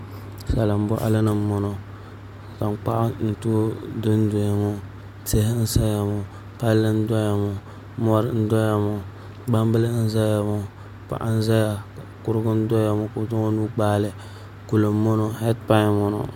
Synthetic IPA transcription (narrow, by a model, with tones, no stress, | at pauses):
sa˨la˨m̩˦bɔ˦ʔa̰˦lɨ˦nɨ˨m˦mːɔ˦no˦ | ka˨m˦k͡pa̰˦ʔa˦n̩˨tu˦dʊ˦n˦do˨ja˨mo˦ | te˦hɪ˦n̩˦sa˦ja˨mɔ˨ | pa˦lːɨ˦n̩˦dɔ˦ja˨mo˨ | mɔ˦ɾn̩˦dɔ˦ja˨mo˨ | ba˦m˦bɨ˦lɨ˦n̩˦za˦ja˨mɔ˦ | pa̰˨ʔa˦n̩˦za˦ja˨a˨kʊ˦ɾɨ˦ɡʊ˦n̩˦dɔ˦ja˨mo˦kʊ˨˦dʊ˦o˦nuː˦k͡paː˦lɨ˨˦ | ku˨lo˨mː˦o˦no˦hɛ˦tpa˦˨mɔ˦nɔ̰˨